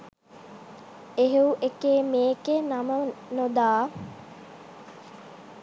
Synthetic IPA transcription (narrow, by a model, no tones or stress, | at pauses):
eɦeuʔekeːmeːkenamənod̪aː